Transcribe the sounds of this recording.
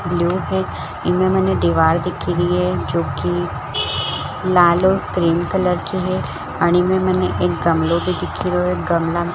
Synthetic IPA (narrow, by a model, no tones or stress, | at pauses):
bljuːɦɛ | ɪmẽmɛnẽd̪iʋaːɾd̪ɪkʰːiɾiɦɛd͡ʒoːki | laːlokɾiːmkələɾt͡ʃiɦɛ | əɽ̃imẽmɛnẽʔɪk̚ɡəmlobʱid̪ɪkʰːiɾoek̚ɡəmla